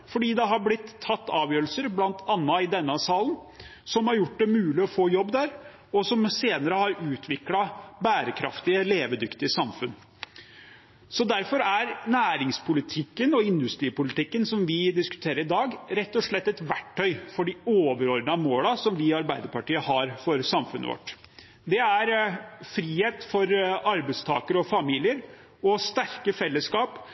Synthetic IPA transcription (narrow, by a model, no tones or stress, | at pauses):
fɔɖiːd̪ɛɦɑɾblɪt̪ʰːɑt̪ːɑːʋjøːɾəl̩səɾblɑnt̪ʰɑnːɑɪd̪ɛnːəsɑːln | sɔmhɑɾjʊʈ̚ːd̪ɛmʉːlɪɔfoːjɔbːd̪æɾ | ɔsɔmseːnəɾəhɑɾʉːt̪ʰʋɪklɑbæːɾəkʰɾɑ̰ft̪ɪəleːʋəd̪ʏkt̪ɪəsɑmfʉn | sɔd̪æɾfɔɾæɾnæːɾɪŋspʰʊlɪt̪ʰɪkːənɔɪnd̪ʉst̪ɾiːpʊlɪt̪ɪkːənsɔmʋɪd̪ɪskʉ̥t̪ʰeːɾəɾɪd̪ɑːɡɾɛt̪ːɔʂɭɛt̪ːɛt̪ʋæʈʰːœʏfɔɖɪoːʋəɾɔɾnəɑmoːlɑsɔmʋɪɑɾbæɪd̪əɾpɑʈiːəhɑːɾfɔɾsɑmfʉ̰nʔə̰ʋɔ̰ʈː | d̪ɛæɾfɾiːheːt̪fɔɾɑɾbæɪst̪ʰɑ̰ːkəɾəɔfɑmiːlɪəɾ | ɔst̪æɾkəfɛlːəskɑːp